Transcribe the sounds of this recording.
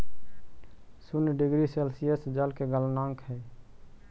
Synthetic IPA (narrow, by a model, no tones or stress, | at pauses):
sunɖɪɡɾiselsijəsd͡ʒəlkeɡəlnãŋkɦɛː